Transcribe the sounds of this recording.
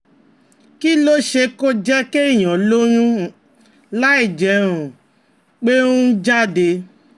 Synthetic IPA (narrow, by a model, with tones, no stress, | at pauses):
ki˦lo˦ʃe˧ko˦d͡ʒɛ˦ke˦i˦˨j̃ɔ̃˨lo˦j̃ũ˦ | la˦i˦˨d͡ʒɛ˨ɾ̃ũ˨ | k͡pe˦nũ˦d͡ʒa˦˨de˧